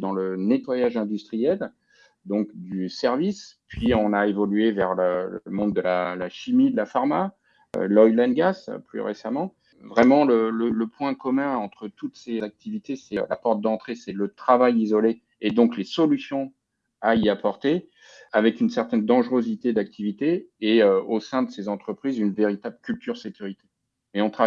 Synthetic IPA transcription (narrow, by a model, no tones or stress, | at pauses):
d̪ɑ̃lənet̪wajaʒɛ̃d̪yst̪χijɛl | d̪ɔ̃kd̪ysɛʁvispɥiɔ̃naevɔlɥevɛʁləmɔ̃d̪ːəlalaʃimid̪lafaʁma̰ | lɔilɛnɡasply̰ʁḛsamɑ̃ | vʁɛmɑ̃lələləpwɛ̃kɔmɛ̃ɑ̃t̪χət̪ut̪sezak̚t̪ivit̪esɛla̰pɔʁt̪̚d̪ɑ̃t̪χesɛlət̪χavajizɔle | ed̪ɔ̃klesɔlysjɔ̃ | aiapɔʁt̪e | avɛkynsɛʁt̪ɛnd̪ɑ̃ʒʁøzit̪ed̪ak̚t̪ʰivit̪eːøosɛ̃d̪əsezɑ̃t̪χəpχizynveʁit̪abləkʲylt̪yʁsekʲyʁit̪e̥ | eɔ̃t̪χa